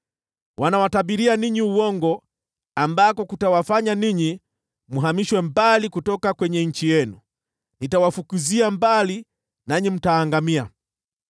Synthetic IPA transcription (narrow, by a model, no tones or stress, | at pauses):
wanawatabiɾianiɲiuwɔŋɡɔ | ambakɔkutawafaɲaniɲi | muɦamiʃwɛmbalikutɔkakwɛɲɛɲ̩t͡ʃijɛnu | nitawafukuziambali | naɲim̩taːŋɡamia